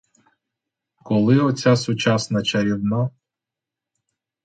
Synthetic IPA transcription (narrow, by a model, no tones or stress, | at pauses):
kɔlˠɪɔt͡sʲasʊt͡ʃɑsnɐt͡ʃɐɾʲiwna